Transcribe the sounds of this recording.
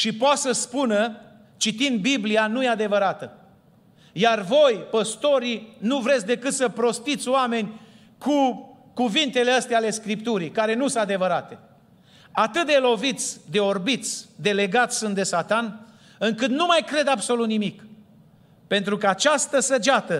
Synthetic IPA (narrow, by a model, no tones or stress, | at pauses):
ʃipoat̪səspunə | t͡ʃit̪ind̪̚biblianujead̪e̞vəɾat̪ə | jarvo̞jpəst̪o̞ɾinuvɾe̞t̪sʲd̪e̞kɨt̪səpɾo̞st̪it̪sʲowame̞nʲ | kʰu | kuvint̪e̞leəst̪eale̞skɾipt̪uɾikaɾe̞nusɨad̪e̞vəɾat̪e̞ | at̪ɨt̪̚d̪elo̞vit̪sʲd̪e̞orbit̪sʲd̪e̞le̞ɡat̪sʲsunt̪d̪e̞sat̪an | ɨŋkɨt̪numajkɾe̞d̪abso̞lut̪nimik | pe̞nt̪ɾukəat͡ʃast̪əsəd͡ʒat̪ə